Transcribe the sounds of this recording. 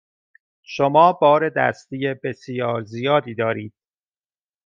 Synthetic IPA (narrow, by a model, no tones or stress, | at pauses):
ʃomɒːbɒːɾe̞d̪æ̰st̪iːjebesjɒːɾzijɒːd̪iːd̪ɒːɾiːd̪̥